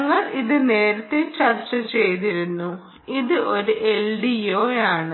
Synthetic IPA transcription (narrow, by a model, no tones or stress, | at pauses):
ŋːɐɭiðɨne̞ːɾɐt̪ːet͡ɕɐrt͡ɕːɐt͡ɕe̞jt̪iɾunːu | iðɨʔo̞ɾuʔelɖijoːjaːɳɨ